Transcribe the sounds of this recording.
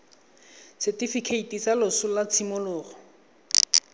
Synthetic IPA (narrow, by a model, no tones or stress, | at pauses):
sʰɛtifikʰeitʼit͡salʊsʊlat͡sʰimʊlʊːrɔ